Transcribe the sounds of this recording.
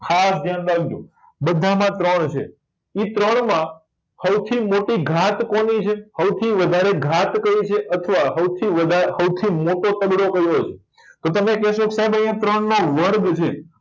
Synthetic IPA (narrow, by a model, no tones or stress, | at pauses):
kʰasd͡ʒ̪janlaɡd͡ʒũ | bəd̪ʱamãt̪ɾəɳt͡ʃʰḛ | it̪ɾəɳmã | səwt̪ʰimoʈiɡʱat̪konit͡ʃʰehəwt̪ʰiʋəd̪ʱaɾeɡʱat̪kəit͡ʃʰeʔət̪ʰəʋaɦəwt̪ʰiʋəd̪ʱasəwt̪ʰimoʈot̪əbɽokəɾjot͡ʃʰe̥ | t̪ot̪əmekɛʃoksaɦebə̃j̃ãt̪ɾəɳnoʋəɾd̪t͡ʃʰe